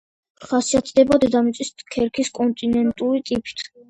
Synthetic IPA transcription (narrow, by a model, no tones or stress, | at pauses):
χasiat̪ʰd̪ɛbad̪ɛd̪amit̪sʼiskʰɛɾkʰiskʼɔnt̪ʼinɛnt̪ʼuɾit̪ʼipʼi̥t̪ʰ